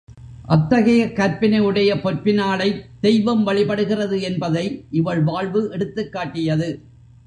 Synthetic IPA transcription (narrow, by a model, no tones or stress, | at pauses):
ʔɐt̪ːɐɣɐjɐkːɐɾpɪnɐɯɽɐjɐpɔɾpɪnaːɭɐɪd̪̥ɛjʋɐmʋɐɭɪpɐɽɯɣɪrɐðɯɛnbɐðɐɪʔɪʋɐɭʋaːɭʋɯʔɛɽɯt̪ːɯkːaːʈːɪjɐðɯ